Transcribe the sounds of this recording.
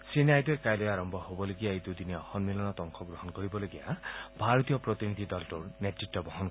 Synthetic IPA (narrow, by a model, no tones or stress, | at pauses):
senajd̪ɔjkajlɔjaɾɔmbʱɔhobɔloɡijaejd̪ud̪ineɔxɔnmilɔnɔt̪ɔŋkʰɔɡɾoɦɔnkɔɾibɔloɡija̰bʱaɾɔt̪ijɔpɾɔt̪inid̪ʱid̪ɔltuɹnetɹitːɔbɔɦɔn